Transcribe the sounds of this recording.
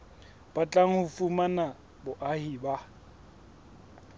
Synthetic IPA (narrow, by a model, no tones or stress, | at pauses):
b̥at͡ɬʼaŋ̩hʊfumana | bʊʔahiːba